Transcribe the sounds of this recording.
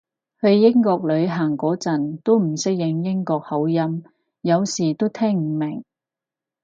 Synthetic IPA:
hɵ˧ɥjɪ˥ŋkɔː˧k̚lɵ˨˧ɥɦaː˨˩ŋkɔː˨˥t͡sɐ˨˩nt̪o˥wm̩˨˩sɪ˥k̚jɪ˨˧ŋjɪ˥ŋkɔː˧k̚hɐ˨˥wjɐ˥m | jɐ˨˧wsiː˨˩t̪o˥wt̪ʰɛː˥ŋm̩˨˩mɪ˨˩ŋ

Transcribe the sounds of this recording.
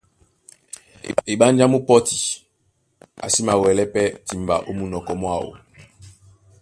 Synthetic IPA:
e˨ɓa˦n˦d͡ʒa˦mu˦pɔ˦ti˨ | a̰˨si˦ma˨wɛ˨lɛ˦pɛ˦ti˨mba̰˨ʔo˦mu˨nɔ˨kɔ˨mwa˦˨wo̰˨

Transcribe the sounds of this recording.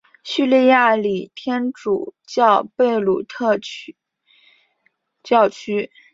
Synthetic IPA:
ɕy˥˧li˥˧ja˥˩li˨˩t̪ʰjɛ˥nʈ͡ʂṵ˨˩t͡ɕjɑ˥˧ʊpe˥˩ɪlu˨˩t̪ʰɤ˥˧ | t͡ɕjɑ˥˩ʊt͡ɕʰy˥

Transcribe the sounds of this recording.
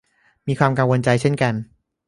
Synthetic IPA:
miː˧kʰwaː˧mka˧ŋwo˧nt͡ɕa˧jt͡ɕʰe˥˩nka˧n

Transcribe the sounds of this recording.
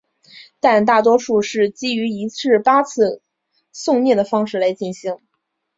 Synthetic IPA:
t̪a˥˧nt̪a˥˩t̪wɔ˥ʂu˥˧ʂɻ̩˥˩t͡ɕi˥y˧˥i˧˥t͡sɻ̩˥˩pa˥t͡sʰɹ̩˥˧ | sʊ˥˧ŋnjɛ˥˩d̪ə˩fɑ˥ŋʂɻ̩˥˩la˧˥ɪt͡ɕi˥˩nɕi˧˥ŋ

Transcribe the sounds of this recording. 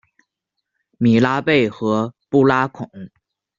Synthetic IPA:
mi˨˩la˥pe˥˩ɪxɤ˧˥pu˥˩la˥kʰʊ˨˩˦ŋ

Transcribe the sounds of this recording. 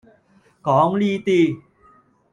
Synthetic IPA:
kɔː˨˥ŋliː˥t̪iː˥

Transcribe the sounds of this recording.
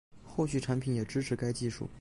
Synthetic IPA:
xo˥˧ʊɕy˥˩ʈ͡ʂʰa˧˥npʰi˨˩˥njɛ˨˩ʈ͡ʂɻ̩˥ʈ͡ʂʰɻ̩˧˥ka˥ɪt͡ɕi˥˧ʂṵ˥˩

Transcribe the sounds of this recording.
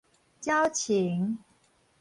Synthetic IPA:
t͡ɕjɑ˦ʊt͡ɕʰi˨˦ŋ

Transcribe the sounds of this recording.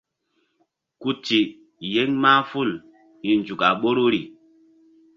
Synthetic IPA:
ku˦ti˨ | je˦ŋmaː˦fu˦˨l | i˨nd͡ʒu˨ka˨ɓo˦ɾu˦ɾi˨

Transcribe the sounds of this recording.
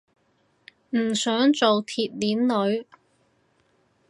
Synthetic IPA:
m̩˨˩sœː˨˥ŋt͡so˨wt̪ʰiː˨t̚liː˨˥nlɵ˨˧˥ɥ

